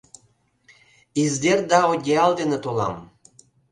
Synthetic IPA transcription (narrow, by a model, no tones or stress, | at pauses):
izd̪erd̪ɑoɡʲeɑld̪enet̪olɑ̰m